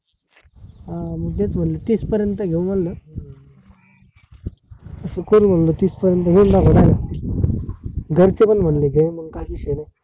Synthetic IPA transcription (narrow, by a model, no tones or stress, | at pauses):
məɡ̚t̪et͡sm̤əɳlet̪iːspəɾjənt̪əɡʱeum̤əɳlə | səkoɾum̤əɳlət̪iːspəɾjənt̪əɦeɳd̪aɡoɽaja | ɡəɾt͡sepəɳm̤əɳleɡʱeməɡkaɦiːɕenaj